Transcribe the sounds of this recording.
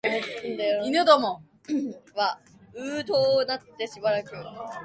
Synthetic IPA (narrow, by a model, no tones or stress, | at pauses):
eɯnd̪ajoinɯd̪omo | βa | ɯːt̪oːnatt̪ːe̞ɕibaɾakɯ̟